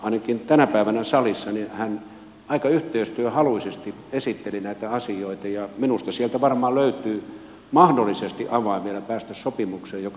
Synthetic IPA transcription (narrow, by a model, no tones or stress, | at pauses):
ɑˑinɑkint̪ænæpæiʋænæsɑlisːɑnihæn | ɑikɑyht̪eist̪yøhɑluisest̪i | esit̪ːelinæit̪æɑsijoit̪ɑjɑminust̪ɑsielt̪æʋɑrmɑːlløyt̪yː | mɑhdolːisest̪ḭʔɑʋɑˑimielæpæːst̪æssopimukseːjok